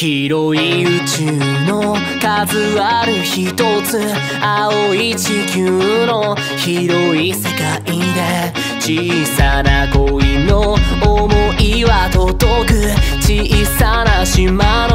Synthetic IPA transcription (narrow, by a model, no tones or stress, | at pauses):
çiɾoiɯt͡ɕɨno | kazɨβaɾiçit̪ot͡sɨ | aoit͡ɕikʲɨno̞ | çiɾo̞isɨkaʔid̪e | t͡ɕisanaɡoinoːmoiβat̪ot̪okɯt͡ɕisanaɕimano